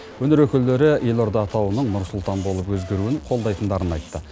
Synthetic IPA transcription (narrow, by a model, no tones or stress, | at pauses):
wɵnɪɾwɵkʲɪld̪e̞ɾɪje̞lo̞ɾd̪ɑːt̪ʰɑwənəɴnʊɾsʊlˠt̪ɑnbo̞lˠəpwɵzɡʲe̞ɾuɪɴqʰo̞lˠd̪ɑjt̪ənd̪ɑɾənɑjt̪ːə